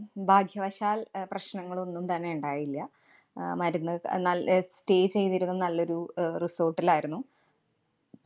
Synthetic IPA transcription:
bʱaːɡʱjɐʋɐɕaːlprɐɕnɐŋːɐɭo̞nːumt̪ɐnːe̞uɳɖaːjilːɐ | mɐɾunːɨnɐlste̞ːd͡ʑt͡ɕe̞jt̪ːiɾunːɐnɐlːo̞ɾuriso̞ːrʈːilaːjiɾunːu

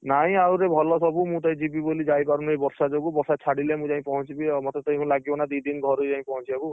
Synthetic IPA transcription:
naɦĩawɾebʱɔlɔsɔbumũt̪aĩd͡ʒibibolid͡ʒajpaɾunebɔɾsad͡ʒoɡubɔɾsat͡ʃʰaɽilemũd͡ʒaĩpɔɦɔ̃t͡ʃʰibimɔt̪ʰet̪ɔĩkʰũlaɡibɔnad̪id̪inɡʱɔɾud͡ʒaɦĩpɔɦɔ̃t͡ʃʰiaku

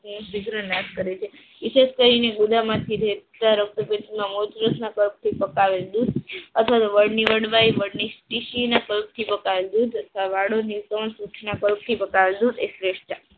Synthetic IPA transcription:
sʋiɡɾənaskəɾet͡ʃʰe | ʋɪʃed͡ʒkəɾineɡud̪ʱamãt̪ʰiɾet̪aɾək̚t̪əpẽt̪imãmot͡ʃɾəsnakəlp̚t̪ʰipəkaʋed̪ud̪ət̪ʰʋat̪oʋəɽniʋəɽʋaiʋəɽnisʈiʃinakəlp̚t̪ʰipəkaʋed̪ud̪ʱət̪ʰʋaʋaɽoniʋkəʋənsɾuʈʰnakəlp̚t̪ʰipəkaʋed̪ud̪esɾeʃʈa

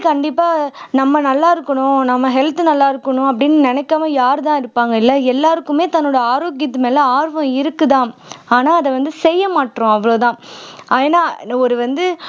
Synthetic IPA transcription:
kɐɳɖɪpːaːnɐmːɐnɐlːaːɪɾɯkːɐɳʊ̃nɐmːɐɦɛlt̪ɯnɐlːaːɪɾɯkːɐɳʊ̃ɐp̬ːɐɽɪnːɯnɪnɛkːaːmɐjaːɾɯt̪ãːɪɾɯpːaːŋɡɐɪlːɐɛlːaːɾɯkːɯmeːt̪ɐnːoːɽɐaːɾoːɡɪjɐt̪̬ːɯmeːlɐaːɾʋɐ̃ɪɾɯkːɯt̪ãːaːnaːɐðɛʋɐnd̪ɯsɛjːɐmaːʈːɾʊ̃ɐʋːɐɭoːt̪ãːeːnaːɔɾɯʋɐnd̪ɯ

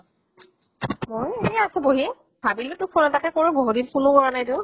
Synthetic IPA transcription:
mojejasɛboɦi | bʱabilɛtʊpʰonɔtakɛkoɹuboɦutikʰunʊkɔɹanajdʊʊ

